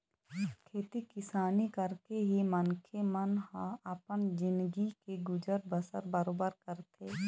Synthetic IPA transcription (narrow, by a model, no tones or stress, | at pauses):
kʰeːt̪ikɪsaːnikəɾkeɦimənkʰemənhãəpənd͡ʒɪ̃nd̪ɡikeɡʊd͡ʒəɾbəsə̰ɾbəɾoːbəɾkəɾt̪ʰeː